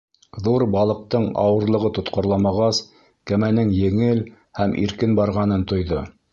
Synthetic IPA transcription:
ðuɾbɑlˠɤ̆q̚t̪ɤɴɑ̰wɤ̆ɾlˠɤ̆ʁɤt̪ŏt̪qŏɾlˠɑmɑʁɑs | kæmænɘŋjɘ̆ŋɘl | hæmʔḭɾkɘnbɑɾʁɑnɤnt̪ŏjðɤ

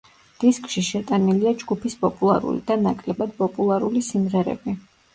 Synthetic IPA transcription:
d̪̥iskʼʃiʃɛt̪ʼaniliad͡ʒɡupʰispʼɔpʼulˠa̰ɾṵlḭd̪̥anakʼlɛbad̪̚pʼɔpʼulˠaɾulisimʁɛɾɛ̰bi

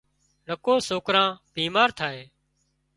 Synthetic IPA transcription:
nəkoːsoːkɾãːb̥ʱiːmaːɾt̪ʰaːeː

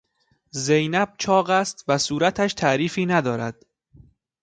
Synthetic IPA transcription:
zejnæb̥̚t͡ʃʰɒːɢæst̪væsuːɾæt̪ʰæʃt̪ʰæʔɾiːfiːnæd̪ɒːɾæd̪̥̚

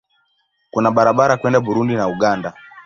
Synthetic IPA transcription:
kunaɓaɾaɓaɾakwɛndaɓuɾundinauɡanda

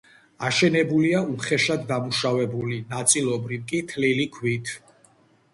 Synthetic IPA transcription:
aʃɛnɛbuliauχɛʃad̪ːamuʃavɛbulinat̪sʼilˠɔbɾivkʼit̪ʰlilikʰwit̪ʰ

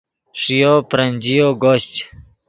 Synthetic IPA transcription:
ʂijopɾanʲd͡ʑijoɡoɕt͡ɕ

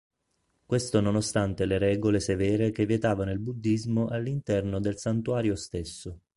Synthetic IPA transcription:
kwest̪ononost̪ant̪eleɾɛːɡolesevɛːɾekevːjet̪aːvanoilbud̪ːizmoʔalːint̪ɛrnod̪elsant̪uaːɾjost̪esːo

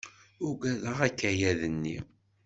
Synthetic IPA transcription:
ʊɡæðəʁækːæjæðənːḭ

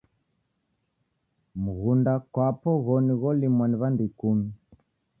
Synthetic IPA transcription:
muɣundakwapɔɣɔniɣɔlimwaniβandikumi

